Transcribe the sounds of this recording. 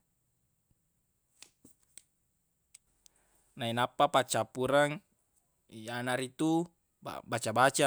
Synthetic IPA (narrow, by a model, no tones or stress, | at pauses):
nainapːapat͡ʃapuɾaŋ | ianaɾit̪u | a̰bat͡ʃabat͡ʃa